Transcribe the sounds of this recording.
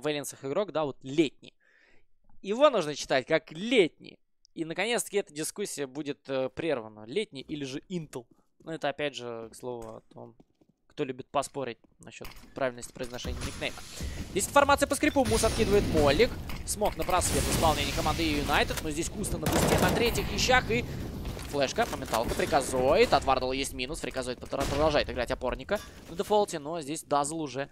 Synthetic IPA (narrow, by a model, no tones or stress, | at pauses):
vɛlʲɪnsəxɨɡɾo̞ɡd̪avo̞t̪lʲetʲnʲɪ̰j | jɪvo̞nuʐnət͡ɕɪ̥t̪atʲkaklʲetʲnʲɪ̰j | inəkɐnʲet̪st̪əkʲɛt̪ədʲɪskusʲːɪjəbudʲɪt̪əpɾʲervənəlʲetʲnʲɪjʔilʲɪʐɨint̪əlˠ | nuɛt̪əɐpʲædʲʐɨkslˠo̞vʊɐ̰t̪o̞̰m | kt̪o̞lʲʉbʲɪt̪̚pɐspo̞ɾʲɪt̚ʲ | nɐ̰ɕːo̞t̪pɾʔavʲɪlʲnəsʲtʲɪ̥pɾəɪznɐʂɛnʲɪːmʲɪknejmə̰dʲesʲtʲɪnfɐrmat̪sɨjəpəskɾʲɪpumusɐt̪̚kʲid̪əvəɪt̪mo̞lʲːɪksmo̞knəpɾɐsvʲet̪vɪspɐlˠnʲenʲɪjəkɐmand̪ɨjʊnajt̪ɨt̪nozʲdʲesʲkust̪ənəpʊsʲtʲenɐt̪ɾʲetʲɪxvʲɪɕːaxɨflˠɛʂkəpəmʲɪnt̪a̰lˠkəpɾʲɪkɐzojɪt̪ɐt̪vard̪əlˠjesʲtʲmʲinʊspɾʲɪkɐzojɪt̪pɾəd̪ɐlˠʐajɪt̪ɨɡɾatʲɐpo̞rnʲɪkə | nəd̪ɨfolˠtʲɪno̞zʲdʲesʲd̪azəlˠʊʐɛ